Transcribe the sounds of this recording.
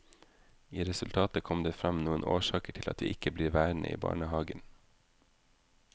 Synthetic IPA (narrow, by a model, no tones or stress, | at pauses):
iːɾɛsʉlt̪ʰɑːt̪əkʰɔmd̪eːfɾɑmnuːənʔo̰ːʃɑːkəʈʰɪlʔɑ̰t̪ʋḭːʔɪkəbliːɾʋæːɾnə̰ʔḭːbɑ̰ːɳəhɑːɡən